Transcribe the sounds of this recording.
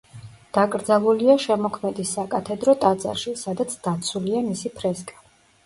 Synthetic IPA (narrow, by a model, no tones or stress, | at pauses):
d̪̥akʼɾd̪zalˠuliaʃɛmɔkʰmɛd̪isakʼat̪ʰɛd̪ɾɔt̪ʼad̪za̰ɾʃisad̪at̪sʰd̪̥at̪sʰuliamisipʰɾɛskʼḁ